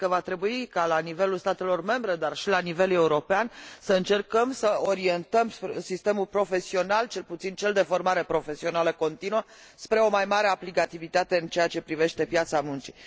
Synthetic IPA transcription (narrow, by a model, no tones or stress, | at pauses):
kəvat̪ɾe̞buikalanive̞lulst̪at̪e̞lo̞rme̞mbɾe̞d̪arʃilanive̞le̞uɾo̞peansəɨnt͡ʃe̞rkəmsəoɾie̞nt̪əmspsist̪e̞mulpɾo̞fe̞sio̞nalt͡ʃe̞lput̪sint͡ʃe̞ld̪e̞fo̞rmaɾe̞pɾo̞fe̞sio̞naləko̞nt̪inuə | spɾe̞o̞majmaɾe̞aplikat̪ivit̪at̪e̞ɨnt͡ʃe̞at͡ʃe̞pɾive̞ʃt̪e̞pjat̪samunt͡ʃi̥